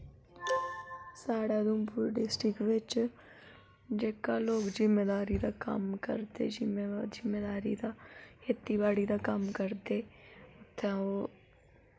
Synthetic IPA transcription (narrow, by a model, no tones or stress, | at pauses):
saːɽaːd̪umpuɾɖɪsʈɾɪkʋɪt͡ʃ | d͡ʒeːkaloːɡzɪmːeːd̪aːɾid̪aːkə̰mkə̰ɾd̪ḛd͡ʒɪmezɪmːeːd̪aːɾid̪aːheːt̪ːibaːɽid̪aːkəmkəɾd̪eːʊt̪ʰːaoː